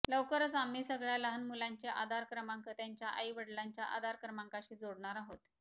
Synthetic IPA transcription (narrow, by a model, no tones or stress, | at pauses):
ləʋkəɾt͡samiːsəɡɭjaləɦənmulaɲt͡ɕeʔa̰d̪ʱaɾkɾəmaŋkət̪jaɲt͡ɕjaʔa̰iʋəɽlaɲt͡ɕjaʔa̰d̪ʱaɾkɾəmaŋkaɕiːd͡zoɽɳaɾaɦot̪